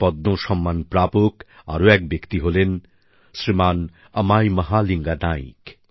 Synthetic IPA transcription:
pɔd̪noʃɔmːanpɾapok | a̰ɾoɛk̚bjekt̪iɦolen | sɾiman | ɐ̰majmɐɦaliŋɡanaḭk

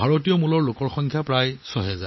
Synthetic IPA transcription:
bʱaɹotijɔmulɔɹlokɔɹxɔŋkʰjapɹajsɔɦɛza̰

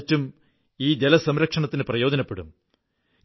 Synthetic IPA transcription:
tːum | iːd͡ʑelɐsɐmɾɐkʂɐɳɐt̪ːinɨprɐjo̞ːd̪ɐnɐpːeɽṵm

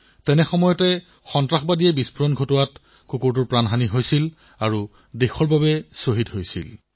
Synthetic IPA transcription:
tɛnɛxɔmɔjɔtɛ | xɔntɹaxbadijɛbispʰuɹɔnɡʱotɔwat | kukuɹtuɹpɹanɦaniɦojsil | aɹu | dexɔɹbabɛsoɦitɦojsḭl

